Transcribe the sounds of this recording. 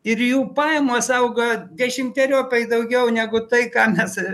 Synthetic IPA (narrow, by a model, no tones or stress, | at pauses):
ɪrjuːpɑːjɛmoːsɐʊɡɐd̪ʲɛʃʲɪmʲt̪ʲɛɾʲoːpʲɛɪd̪ɐʊɡʲɛʊnʲæːɡʊt̪ɐɪkɑːmʲɛs